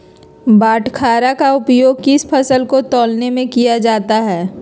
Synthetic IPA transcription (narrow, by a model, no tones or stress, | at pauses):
baːʈʰkʰaːɾakaʊpjoːɡkɪspʰɐsəlkot̪ɔːlnemẽkijad͡ʒaːt̪aɦɛː